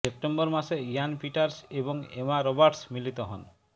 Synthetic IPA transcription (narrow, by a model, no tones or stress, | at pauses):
ep̚ʈembɔɾmasejanpiʈaɾsebɔŋemaɾobaɾʈsmilit̪ɔɦɔn